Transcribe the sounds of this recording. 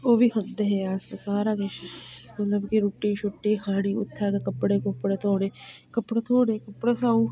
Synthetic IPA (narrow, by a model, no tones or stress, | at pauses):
oːbikʰɐnd̪eɦeaːsesaːɾaːkɪt͡ʃmɐt̪ləbkiɾuːʈːiːt͡ʃʰʊʈːiːkʰaːɽiːʊ̰t̪ʰːaːkekəpːɽeːkəpːɽeːt̪ʰoːɽeːkɐpːɽet̪ʰoːɽeːkəpːɽesaːu